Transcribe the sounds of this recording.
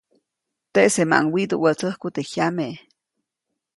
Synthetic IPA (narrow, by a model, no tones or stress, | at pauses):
t̪eʔsema̰ʔŋwid̪uwət͡səhkut̪ehjameʔ